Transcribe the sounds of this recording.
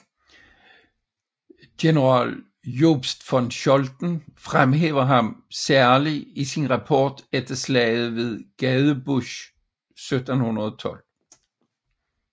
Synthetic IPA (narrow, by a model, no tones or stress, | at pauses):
ɡ̥e̝nəʁɑ̰̈ːl | job̥sd̥fɒ̽nɕɔld̥n̩fʁamɦḛːʊɐɦɑ̈msæɐliisinʁɑ̈pʰɒ̰ːd̥ed̥ɐslɛ̰ɪð̩ˠʋe̝ðˠɡ̥ɛðˠəb̥uɕ | sød̥n̩hunɐðˠɒt͡sʰɒ̽l̰